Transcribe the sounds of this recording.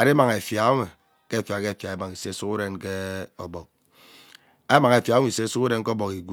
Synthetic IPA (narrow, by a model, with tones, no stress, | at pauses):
a˨de˦ma˨ŋe˨fja˨˦me˨ | ke˦˨fja˨ke˦˨fja˨e˦ma˨ŋi˨se˦su˦ku˦ɾe˦nke˦ɔ˨bɔ˨k̚ | a˦ma˨ŋe˨fja˨˦me˨se˦su˦ku˦ɾe˦n˦kɔ˦bɔ˨ki˨ɡʷu˨